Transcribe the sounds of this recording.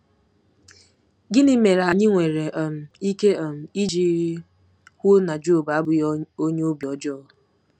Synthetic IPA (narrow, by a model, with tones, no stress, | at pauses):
ɡɪ˦nɪ˦me˨ɾa˨ɲɪ˦ŋʷe˨ɾe˨ʔɔ˨m̩˨i˦ke˦ɔ˨m̩˨i˦d͡ʒi˦ | hʷʊ˦na˨d͡ʒo˦˨ba˨˦bʊ˨jo˦ɲe˦o˦bjɔ˨d͡ʒɔː˦